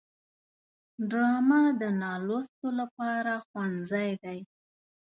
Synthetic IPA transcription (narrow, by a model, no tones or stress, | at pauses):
ɖɾɑmad̪ənɑlost̪olapɑɾaxwanzajd̪aj